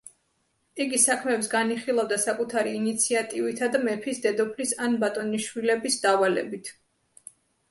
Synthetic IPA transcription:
iɡisakʰmɛːpsɡaniχilˠavd̪asakʼut̪ʰaɾiːnit̪sʰiat̪ʼivit̪ʰad̪amɛpʰisd̪ɛd̪ɔpʰlisanbat̪ʼɔniʃwilɛbisd̪avalɛ̰bit̪ʰ

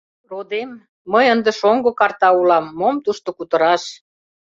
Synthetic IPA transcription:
rod̪emː | əjənd̪ə̆ʃoŋɡŏkɑrt̪ɑulɑmːomt̪uʃt̪ŏkut̪ə̆ɾɑʃ

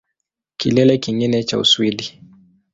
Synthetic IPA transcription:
kilɛlɛkiŋɡinɛt͡ʃa̰ṵswiɗi

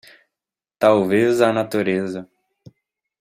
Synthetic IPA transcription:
t̪awvezanat̪uɾezɐ

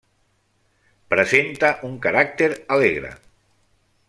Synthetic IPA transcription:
pɾəzent̪aʔuŋkaɾak̚t̪eɾaleɣɾə̰

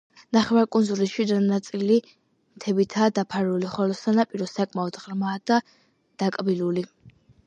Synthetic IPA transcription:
naχɛvaɾkʼunzulisʃwid̪anat̪sʼili | mt̪ʰɛbit̪ʰaːd̪apʰaɾuliχɔlɔsanapʼiɾɔsakʼmaɔd̪̥ʁɾmaːd̪̥a | d̪̥akʼbiluli

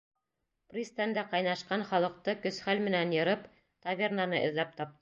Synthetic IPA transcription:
prʲist̪ænd̪æqɑjnɑʃqɑnχɑlˠɤ̆q̚t̪ɤkɵ̆sχælmɘ̆nænjɤ̆ɾɤp | t̪avʲernɑnɤʔɵ̰̆ðlæp̚t̪ɑp̚t̪ɤ

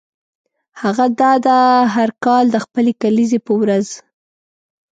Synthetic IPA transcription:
haɣad̪ɑd̪aɦaɾkɑld̪əxpəlekalizepəwɾaz

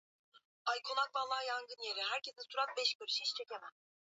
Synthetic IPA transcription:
ajkʰonak̚valːˠaːjaŋɡɯnjeɾiɦæɾcʰesinsuɾanbɛʃkɯɾɯʃiʃt͡ʃʰecʲemɛ

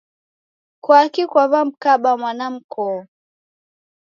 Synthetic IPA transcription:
kwakikwaβam̩kaɓamwanam̩kɔ

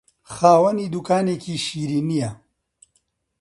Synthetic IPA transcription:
xaːwɐniːd̪ukaːneːkiːʃiːɾiːnijɐ

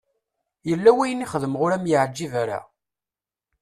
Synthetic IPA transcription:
jəlːæwæjəniχəðəmʁʊɾæmjəʕd͡ʒːivæɾæ̰

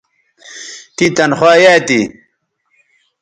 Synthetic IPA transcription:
t̪it̪ɐnxwaːjat̪i

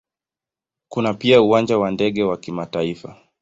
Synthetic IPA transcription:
kunapiauand͡ʒawandɛɠɛwakimataifa

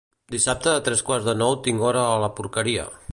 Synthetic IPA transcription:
d̪isap̚t̪əːt̪ɾɛskwarzðənɔwt̪iŋɡɔɾəːləpuɾkəɾiə̰

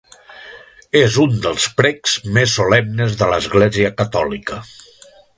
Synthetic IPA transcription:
ezund̪əlˠspɾɛkz̥mesːolɛmnəzðələzɣleziəkət̪ɔlikə

